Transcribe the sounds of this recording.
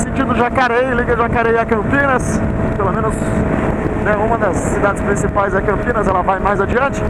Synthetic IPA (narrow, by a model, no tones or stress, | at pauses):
sẽnt͡ʃĩd̪ʊʒakaɾejliɡɐʒakaɾejakɐ̃mpĩnɐspelomẽnʊs | nɛũmɐd̪ɐsːid̪ad͡ʒɪspɾĩsipajzɛkɐ̃mpĩnɐzɛlɐvajmajzad͡ʒiɐ̃nt͡ʃɪ̥